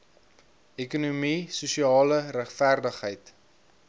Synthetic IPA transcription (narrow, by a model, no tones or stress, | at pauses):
ʔɛkunumisusiɑːləɾæχfærdəχɦəjt